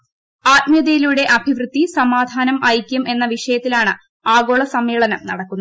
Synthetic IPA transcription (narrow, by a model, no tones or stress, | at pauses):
aːt̪̚mjɐd̪ejiluɽe̞ʔɐbʱiʋrɨt̪ːisɐmaːd̪ʱaːnɐmʔɐjkʲːume̞nːɐʋiʂɐjɐt̪ːilaːɳɨ | aːɡo̞ːɭɐsɐmeːɭɐnɐmnɐɽɐkːunː